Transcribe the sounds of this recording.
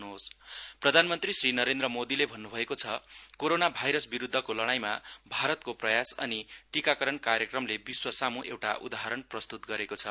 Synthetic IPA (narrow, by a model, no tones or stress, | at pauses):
nuɦosprʌd̪ʱanmʌnt̪risrinʌɾend̪rʌmod̪ilebʱʌnːubʱʌekot͡sʰʌkoɾonabʱajɾʌsbiɾud̪ʱːʌkolʌɽ̃ajma̰bʱaɾʌt̪koprʌjasʌ̰niʈikakʌɾʌnkaɾjʌkrʌmlebiswʌsamuʔḛwʈa̰ʔud̪aɦaɾʌɳprʌst̪ut̪ɡʌɾekot͡sʰʌ